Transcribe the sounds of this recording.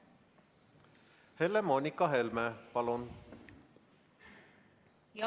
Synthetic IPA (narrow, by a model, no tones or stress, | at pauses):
helemonʲikːɑɦelmepɑlun